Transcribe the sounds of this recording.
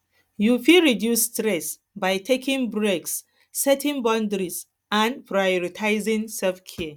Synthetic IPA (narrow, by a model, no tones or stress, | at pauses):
jufilɹidjusːtɹɛs | bajtʰekʰĩŋbɹeksː | ɛtĩŋbɔ̃ndɹis | ãnpʰɹajɔɹitʰaɪzĩŋsɛlfkʰɛə